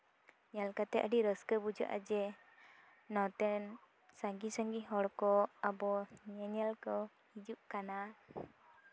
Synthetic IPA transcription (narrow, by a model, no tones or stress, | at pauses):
ɲalkat̪ɛʔəɖiɾəskəbud͡ʒa̰ʔa̰d͡ʒɛ | nɔt̪ɛn | saŋɡisaŋɡiɦɔɽkɔabɔɲɛɲɛlkɔ | hid͡ʒuʔkana